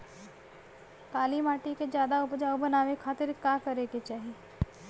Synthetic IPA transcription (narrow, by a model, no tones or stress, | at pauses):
kaːlimaːʈiked͡ʒjaːd̪aʊpd͡ʒaːwbənaːʋekʰaːt̪ɪɾkaːkɐɾeket͡ʃaːɦieː